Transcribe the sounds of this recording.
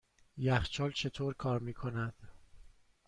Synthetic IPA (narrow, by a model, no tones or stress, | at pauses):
jæxt͡ʃʰɒːlt͡ʃʰe̞t̪ʰoːɾkʰɒːɾmiːkʰo̞næd̪̥